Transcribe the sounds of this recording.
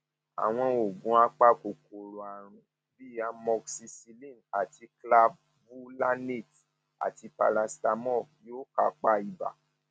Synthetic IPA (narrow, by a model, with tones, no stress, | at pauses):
a̰˨w̃ɔ̃˧o˨ɡũ˨˦a˦k͡pa˦ko˨ko˨ɾo˨a˨ɾ̃ũ˨ | bi˦a˧mɔ˧ksi˧si˧lĩ˦˨na˨ti˧kla˧b | bu˦la˦ne˦˨t | a̰˨ti˧pa̰˧ɾa˧sta˧mɔ˦˨jo˦ka˨˧˨k͡pa˦i˨ba̰˨